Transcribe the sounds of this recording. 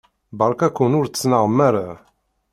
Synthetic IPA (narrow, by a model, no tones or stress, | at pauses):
bɑɾˤkækːunʊɾt͡sːnəʁəmːæɾa